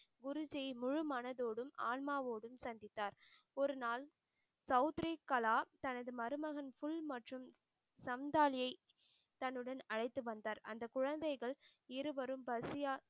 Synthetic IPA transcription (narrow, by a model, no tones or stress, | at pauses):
ɡʊɾʊd͡ʒɐɪmʊɻɯmɐnɐðoːɽɯmaːlmaːʋoːɽɯmsɐnd̪ɪt̪ːaːɾɔɾɯnaːl | sɐʊt̪ɾikːɐlaːt̪ɐnɐðɯmɐɾɯmɐɣɐnfʊɭmɐʈrɯm | sɐmd̪aːlɪjɐɪ | t̪ɐnːɯɽɐnɐɻɐɪt̪ːɯʋɐnd̪aːɾɐ̰nd̪ɐkʊɻɐnd̪ɐɪɣɐɭɪɾɯʋɐɾɯmbɐsɪjaː